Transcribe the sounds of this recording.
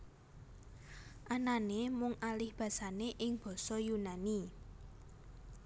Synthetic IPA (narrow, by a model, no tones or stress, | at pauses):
ʔananemʊŋʔalɪhb̥ä̤saneʔɪŋb̥ɔ̤sɔjunani